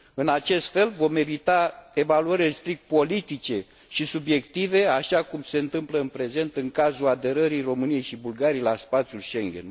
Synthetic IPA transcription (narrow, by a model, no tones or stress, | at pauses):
ɨnat͡ʃe̞st̪fe̞lvo̞me̞vit̪ae̞valuəɾilest̪ɾik̚t̪̚po̞lit̪it͡ʃe̞ | ʃisubje̞kt̪ive̞aʃakumse̞ɨnt̪ɨmpləɨnpɾe̞ze̞nt̪ɨŋkazulad̪e̞ɾəɾijro̞mɨnije̞jʃibulɡaɾiejlaspat̪sʲjulʃeŋɡʲḛn